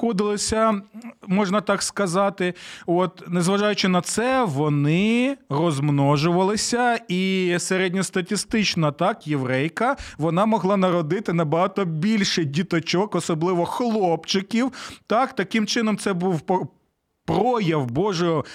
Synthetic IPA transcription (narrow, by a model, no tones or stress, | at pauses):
ɔd̪ɪlˠɪsʲɐmɔʒnɐt̪ɑkskɐzɑt̪ɪɔt̪nezʋɐʒɑjʊt͡ʃɪnɐt̪sɛʋɔnɪrɔzmnɔʒʊʋɐlˠɪsʲɐiseɾɛdʲnʲɔst̪ɐtʲist̪ɪt͡ʃnɐt̪ɑkjeʋɾɛjkɐʋɔnɑmɔɦlˠɑnɐɾɔd̪ɪt̪ɪnɐbɐɦɑt̪ɔbʲilʲʃɪdʲit̪ɔt͡ʃɔkɔsɔblˠɪʋɔxlˠɔpt͡ʃɪkʲiwt̪ɑkt̪ɐkɪmt͡ʃɪnɔmsɛbuw | pɾɔjɐwbɔʒɔ